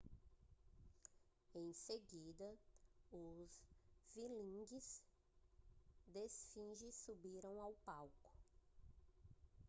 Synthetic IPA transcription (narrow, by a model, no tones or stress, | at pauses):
ẽj̃seɡid̪ɐʊzvilĩɡɪz | d̪esfĩʒɪsubiɾɐ̃w̃awpawkʊ̥